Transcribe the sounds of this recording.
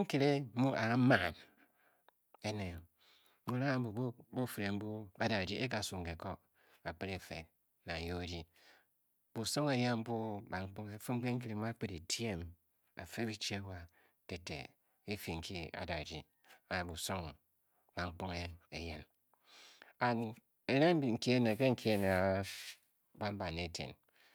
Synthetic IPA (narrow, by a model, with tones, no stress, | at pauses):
ŋ̩˦ki˦ɾe˦mu˦ʔa˨a˦ma˨n | e˦ne˨˦ | mu˦ɾa˦˨˦bu˨bbu˦fɾe˨m̩˦bu˦a˨da˨d͡ʒi˦ʔe˦k̬a˨su˨ŋ˨ke˨ko˦ | a˨k͡pe˦ɾe˨fe˨t̚ | na˨jo˦e˨˦di˦ | b̥u˨so˦ŋe˨je˦nm̩˦bu˦ba˨ŋ͡m̩˦k͡po˦ŋe˦fu˦ŋ͡m̩˦k͡pe˦ŋ̩˦ki˨ɾe˨˦mu˦a˦k͡pe˦ɾe˨tje˦m | a̰˨fe˦bi˦t͡ʃe˦wa˨ | te˨tːḛ˨ | i˦fi˨ŋ̩˨kʰi˦a̰˨da˨d͡ʒi˦ | a˨bu˨so˦ŋ | ba˨ŋ͡m̩˦k͡po˦ŋe˦e˨je˦n | a˨n | e˨ne˦m˦bi˨ŋ̩˨ki˦e˦ne˨ke˦ŋ̩˦kʰi˦e˦ne˨a˨ | ba˦m̩˦ba˨ne˨˦tʰḛ˨n